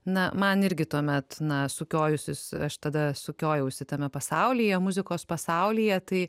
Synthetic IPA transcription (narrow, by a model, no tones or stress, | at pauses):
nɐmɐnɪɾʲɡʲɪt̪uɔmʲɛt̪nɐsʊkʲoːjʊsʲɪsɐʃt̪ɐd̪ɐsʊkʲoːjɛʊsʲɪt̪ɐmʲɛpɐsɐʊlʲiːjɛmʊzʲɪkoːspɐsɐʊlʲijɛt̪ɐɪ